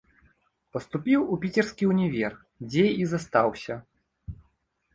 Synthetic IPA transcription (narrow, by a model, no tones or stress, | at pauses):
pɐst̪upʲiwupʲit͡sʲɛrskʲiwnʲɛvʲɛrx | d͡zʲɛizɐst̪awsʲɐ